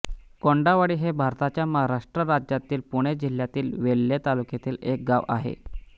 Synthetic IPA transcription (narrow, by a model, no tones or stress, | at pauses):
koɳɖaʋaɽiːɦebʱaɾt̪at͡ɕjaməɦaɾaʂʈɾəɾad͡ʑjat̪iːlpuɽ̃ed͡ʑil̤jat̪iːlʋelːet̪alukjet̪iːlek̚ɡaʋʔa̰ɦḛ